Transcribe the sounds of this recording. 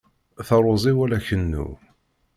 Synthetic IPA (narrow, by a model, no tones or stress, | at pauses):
θɑɾˤozˤiwælæçənːṵ